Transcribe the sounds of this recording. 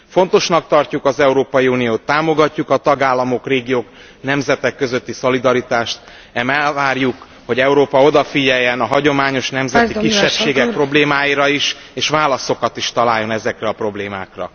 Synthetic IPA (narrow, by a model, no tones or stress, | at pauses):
fo̞n̪t̪o̞ʃnɒk̚t̪ɒrcukɒzɛuɾoːpɒjiunijoːt̪ːaːmo̞ɡɒcːukɒt̪ɒɡaːlːɒmo̞kreːɡijoːk | nɛmzɛt̪ɛkːøzø̞t̪ːiso̞lid̪ɒɾit̪aːʃt̪ | ɛmɛvaːrjuk | ho̞ɟɛuɾoːpɒo̞d̪ɒfiɟɛjːɛnɒɦɒɟo̞maːɲo̞ʃnɛmzɛt̪ikiʃːɛpʃeːɡɛk̚pro̞bleːmaːjiɾɒiʃ | eːʃʋaːlɒso̞kɒt̪iʃt̪ɒlaːjːo̞nɛzɛkrɛɒpro̞bleːma̰ːkrɒ̰